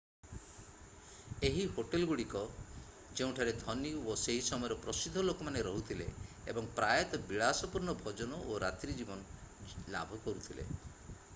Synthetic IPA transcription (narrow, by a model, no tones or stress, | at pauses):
eɦiɦoʈelɡuɽikɔ | d͡ʒeũʈʰaɾed̪ʱɔnioseɦisɔmɔjɔɾɔpɾɔsid̪ʱːɔlokɔmaneɾɔɦut̪ʰilḛebɔŋpɾajɔt̪ɔbiɭasɔpuɾɳɔbʱɔd͡ʒɔnɔʔoɾat̪ɾid͡ʒibɔnɔla̰bʱɔkɔɾut̪ʰilḛ